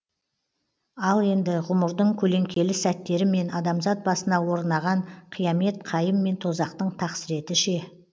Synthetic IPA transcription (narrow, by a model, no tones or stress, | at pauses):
ɑlˠe̞nd̪ɪʁʊməɾd̪əɴkʲʰɵle̞ŋkʲe̞lɪsæt̪ːe̞ɾɪme̞nɑd̪ɑmzɑt̪̚bɑsənɑwo̞ɾnɑʁɑɴqʰijɑme̞t̪qʰɑjəmːe̞nt̪ʰo̞zɑqt̪əɴt̪ʰɑqsɪɾe̞t̪ɪʃe̞